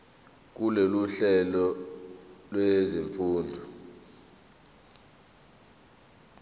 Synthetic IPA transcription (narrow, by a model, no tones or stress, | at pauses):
k̬uleluɬɛlɔ | lweziɱfuːndʱɔ